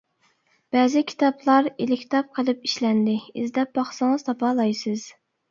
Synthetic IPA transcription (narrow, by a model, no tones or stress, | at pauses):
b̥ɛːzɪkʲʰi̥t̪ɑplˠɑɾilɪkʲt̪ʰɑp̚qʰəlˠɨpi̥ʃlɛnd̪ɪizd̪ɛp̚bɑχsɨŋəz̥t̪ʰɑpʰɑːlˠɑjsɨz̥